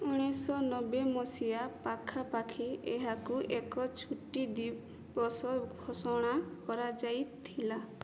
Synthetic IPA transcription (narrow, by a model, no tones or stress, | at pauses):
uɽ̃isɔnɔbemɔsijapakʰapakʰieɦakuʔekɔt͡ʃʰuʈid̪i | bɔsɔɡʱɔsɔɽ̃akɔɾad͡ʒajt̪ʰila